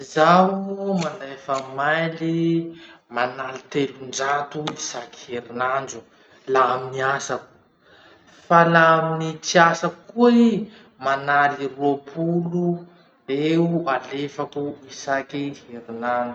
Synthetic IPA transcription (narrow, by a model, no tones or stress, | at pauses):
zaumand̪ajfamajli | manalit̪elund͡ʒat̪uisaki̥heɾinand͡ʒu̥ | laaminiasaku̥ | falaaminit͡siasakkui | manaliruapʰulu | eualefakuisakiheɾinand͡ʒu̥